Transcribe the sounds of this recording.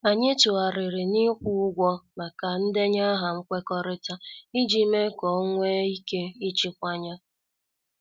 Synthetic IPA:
a˨ɲɪ˦tu˨a˨ɾɪ˨ɾɪ˨ni˦kʷu˦ʊ˦ɡʷɔ˦ma˨ka˨n̩˦de˦ɲa˦ɦa˨ŋ͡m̩˦kʷe˦kɔ˦ɾɪ˦ta˦i˦d͡ʒi˦me˦kɔ˨˦ŋʷe˦i˦ke˦i˦t͡ʃi˦kʷa˦ɲa˦

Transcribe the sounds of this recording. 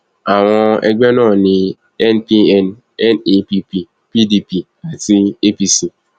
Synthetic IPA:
a˨ŋʷɔ˦ḛ˦ɡ͡be˦nɔ˦˨nɪ˨ | ɛ˦npi˦ɛ˦n | ɛ˦ni˦pi˦pi˨ | pi˦di˨pi˨ | a˨ti˦e˦pi˨si˨

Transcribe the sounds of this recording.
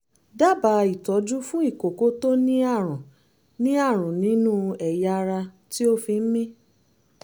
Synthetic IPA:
da˦˨ba˨˦i˨tɔ˨˦d͡ʒu˦fũ˦i˦˨ko˨ko˨˦to˦nĩ˦a˦˨ɾ̃ɔ̃˨ | nĩ˦a˦˨ɾ̃ɔ̃˨nĩ˨˦nũ˦ɛ˨ja˧ɾa˧ | ti˦o˦fi˧n̩˦mĩ˦

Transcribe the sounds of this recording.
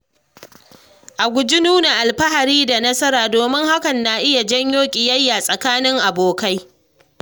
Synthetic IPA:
ʔa˨ɡʷʊ˨d͡ʒɪ˦nuː˦na˨ʔa˨lɸɐ˦ha˨ɾiː˦da˨nɐ˦sɐ˦ɾaː˨doː˨mɪ˦ŋha˦kɐ˨nːa˨ʔɪ˦ja˨d͡ʒɐ˦ɲjoː˦kʲʼi˨jɐ˦jːa˨sʼɐ˨kaː˦nɪ˦ŋʔa˨boː˨ka˦j

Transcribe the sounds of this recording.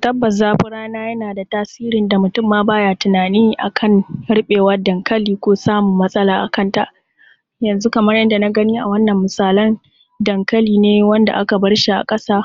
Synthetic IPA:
tɐ˦bːɐ˨s̬zaː˦ɸʊ˦ɽaː˦naː˦jɐ˦naː˨da˨taː˦siː˦ɾɪ˨nda˨mʊ˨tʊ˦˨mːaː˦baː˦jaː˦˨tʊ˨naː˨niː˦ʔa̰˨kʰɐ˦nɽɪ˦ɓeː˨wɐ˦dɐ˨ŋkɐ˦liː˦kʷoː˦saː˦mʊ˨mːɐ˦sʼɐ˦laː˨ʔa̰˨kɐ˦nta˨ʔ | jɐ˨nzu˦kɐ˨mɐ˦rjɐ˦nda˨na˦ɡɐ˦niː˦ʔa̰˨wɐ˦nːɐ˨mːʊ˨saː˨lɐ˦n | dɐ˨ŋkɐ˦liː˨neː˦wɐ˦nda̰˨ʔa˦ka˨bɐ˦ɽʃi˨ʔa̰˨kʼɐ˦saː˦

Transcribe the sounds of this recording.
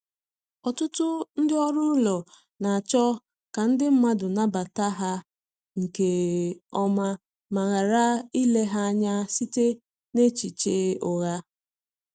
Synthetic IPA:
ɔ˨tʊ˦tʊ˦n̩˦dɪ˦ɔ˦ɾʊ˦lɔ˨ | na˨a˨t͡ʃɔ˦ | ka˨n̩˦dɪ˦m̩˦ma˦dʊ˨na˦ba˨ta˦ɦa˦ | ŋ̩˨ke˨ɔ˦ma˦ | ma˨ɣa˨ɾa˦i˦le˦ɦa˦ɲa˦si˦te˦ | ne˦t͡ʃi˨t͡ʃe˦ʊ˨ɣa˦

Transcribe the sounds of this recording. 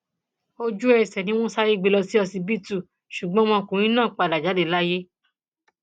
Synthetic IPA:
o˧d͡ʒu˦ɛ˧˨sɛ˨nĩ˦w̃ɔ̃˦sa˦ɾe˦˧ɡ͡be˧lɔ˧si˦ɔ˧sĩ˧bi˦tu˦˨ | ʃu˨ɡ͡bɔ̃˨˦m̃ɔ̃˧kũ˨ɾ̃ĩ˦nãː˦˨k͡pa˧˨da˨d͡ʒa˨˦de˦˨la˦je˦

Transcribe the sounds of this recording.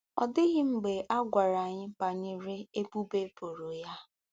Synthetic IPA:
ɔ̰˨dɪ˦ɣɪ˦ŋ͡m̩˨ɡ͡be˨ʔa˦ɡʷa˨ɾa˨a˨ɲɪ˦pa˨ɲɪ˦ɾɪ˦e˦bu˦be˦po˨ɾo˨ja˦

